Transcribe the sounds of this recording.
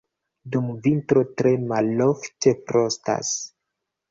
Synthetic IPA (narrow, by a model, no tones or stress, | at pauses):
dumvintɾo̞tɾe̞malːofte̞pɾo̞sta̰s